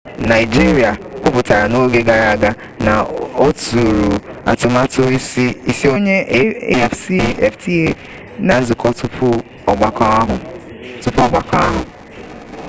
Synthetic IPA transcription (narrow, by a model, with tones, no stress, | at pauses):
na˨ɪ˨d͡ʒi˦ɾi˨a˨kʷʊ˦pʊ˨ta˨ɾa˨no˦ɡe˦ɡa˨ɾa˨a˨ɡa˦ | na˨o˦tu˨ɾu˨a̰˨tʊ˨ma˦tʊ˦i˦i˦i˦si˦o˦ɲe˦e˦˨ffti˦e˦ | na˨n̩˦zʊ˨kʰɔ˦tʊ˦pʰʊ˦ | ɔ˨ɡ͡ba˨kɦ | tʊ˦pɔ˦˨ɡ͡ba˨ka˦a˦ɦʊ̰˨